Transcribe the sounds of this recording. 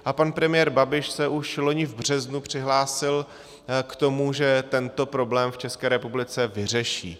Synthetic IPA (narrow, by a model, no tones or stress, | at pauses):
ʔapanpɾɛmɪjɛːɾbabɪʃsɛʔuʃlo̞ɲɪvbr̝̥ɛznupr̝̥ɪɦlaːsɪl | kt̪o̞muʒɛt̪ɛnt̪o̞pɾo̞blɛːmft͡ʃɛskɛːɾɛpublɪt͡sɛvɪr̝ɛʃḭː